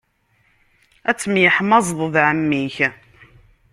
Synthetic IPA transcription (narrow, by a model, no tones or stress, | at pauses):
æt͡sːəmjəħmɑzˤðˤəðˤʕəmːiç